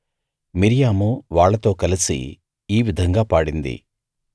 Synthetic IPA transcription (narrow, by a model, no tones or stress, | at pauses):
miɾijaːmuʋaːɭːɐt̪o̞ːkɐlisḭː | ʋid̪ʱɐŋɡaːpaːɽind̪ḭ